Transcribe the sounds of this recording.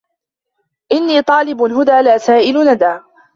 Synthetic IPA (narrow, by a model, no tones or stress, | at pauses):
ʔɪnːiːt̪ˤɑːlɪbɦʊd̪aːlaːsaːʔɪlʊnad̪aː